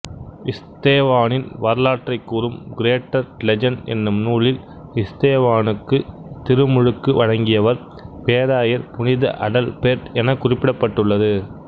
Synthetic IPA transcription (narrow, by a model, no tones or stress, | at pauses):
ɪst̪eːʋaːnɪnʋɐɾlaːʈrɐɪkːuːrɯmɡɪɾeːʈːɐɾlɛd͡ʒɐnɛ̰nːɯmnuːɭɪl | ɪst̪eːʋaːnɯkːɯt̪ɪɾɯmʊɻɯkːɯʋɐɻɐŋɡɪjɐʋɐɾ | peːðaːjɐɾpʊnɪðɐ̰ʔɐɽɐlpeːɾɛnɐkːʊrɪpːɪɽɐpːɐʈːɯɭːɐðɯ